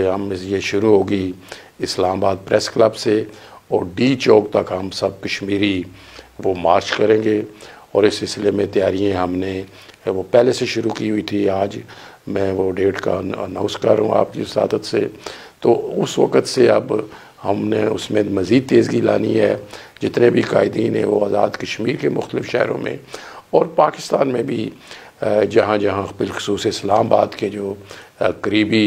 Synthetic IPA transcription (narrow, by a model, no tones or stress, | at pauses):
ɦɐmɪsjeʃʊɾuɦoːɡi | ɪslaːmabaːd̪̚pɾʔɛskləbse | ɔːɾɖiːt͡ʃɔːk̚t̪ɐkɦɐmsɐb̚kəʃmiːɾi | ʋomaːɾt͡ʃkəɾẽːɡeː | ɔːɾɪsːɪlslemẽt̪ɪjaːɾijãɦɐmne | ʋopɛːleseʃʊɾukiɦʊit̪ʰiaːd͡ʒ | mɛ̃ːʋoɖeːʈka̰ə̰nãːʊnskɐɾɦũa̰ːp̚kisa̰ːd̪ʰət̪set̪oʊsʋɐ̰kət̪seɐb | hɐmneʊsmẽmɐziːd̪̚t̪eːzɡila̰ːniɦɛː | d͡ʒɪt̪nebʱika̰ːɪd̪iːnɦɛ̰̃ʋoaːzaːd̪kɐʃmiːɾkemʊxt̪əlɪfʃɛ̰ɦɾõ̰mḛ̃ɔːɾpaːkɪ̥st̪aːnmẽbʱi | d͡ʒɐɦãd͡ʒɐɦãbɪlxʊ̥suːseɪslaːmbaːd̪ked͡ʒoːkəɾiːbi